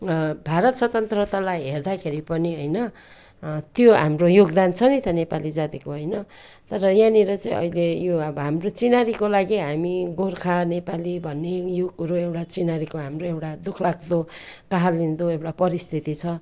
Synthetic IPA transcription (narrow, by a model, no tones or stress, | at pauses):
bʱaɾʌt̪swʌt̪ʌnt̪rʌt̪alajɦerd̪akʰeɾipʌniɦojnʌ | t̪joɦamrojoɡd̪ant͡sʰʌnit̪ʌnepalid͡zat̪ikoɦʌjnʌ | t̪ʌɾʌjaniɾʌt͡saĩʔʌ̰ilejoʌbɦamrot͡sinaɾikolaɡiɦamiɡorkʰanepalibʱʌnːejoɡɾoewʈat͡sinaɾikoɦamroewʈad̪ukʰlakd̪okaɦalːind̪oewʈapʌɾist̪ʰit̪it͡sʰʌ